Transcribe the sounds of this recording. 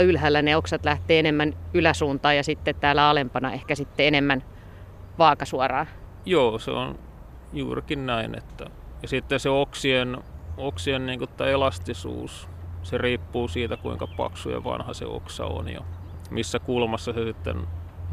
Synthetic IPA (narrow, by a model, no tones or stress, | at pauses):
ylhæːlːæneoksɑt̪læht̪eːenemːænylæsuːnt̪ɑːjɑsit̪ːet̪t̪æːlæɑlempɑnɑehkæsit̪ːeenemːæn | ʋɑːkɑsuɑrɑː | joːsḛon | juːrikinnæinḛt̪ːæ | jɑsit̪ːenseoksienoksienniːŋkut̪ːæelɑst̪isṵːs | seriːpːuːsiːt̪ækuiŋkɑpɑ̰ksujɑ̰ʋɑ̰nhɑsḛo̰ksɑ̰o̰njɑ̰ | misːækulmɑsːɑsesit̪ːḛn